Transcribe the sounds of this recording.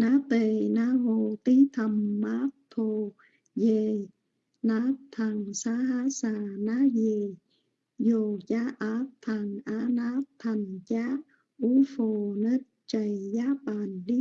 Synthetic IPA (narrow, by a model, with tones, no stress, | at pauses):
naː˧˦t̪e˧˩na˦ɦo˧˩t̪i˦t̪ʰa˨˩mːa˦˥t̪ʰːo˧ | je˧˩ | naː˧˦˥t̪ʰːa˨˩ŋsaː˧˦˥ɦa˦˥saː˧˩naː˦˥je˧ | jo˧˩t͡ɕa˦˥ʔa˧˥t̪ʰːa˧˩ŋʔaː˧˦˥naː˧˦˥t̪ʰa˨˩ŋt͡ɕa˦˥ | ʔu˧˦fo˨˧˩nə˦˥t̚t͡ɕa˨˩jjaː˦˥paː˧˨nɗi˦